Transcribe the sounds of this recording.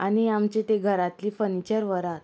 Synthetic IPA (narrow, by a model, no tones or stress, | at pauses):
añiamt͡ɕet̪eɡʱəɾat̪liːfənit͡ɕəɾʋəɾat̪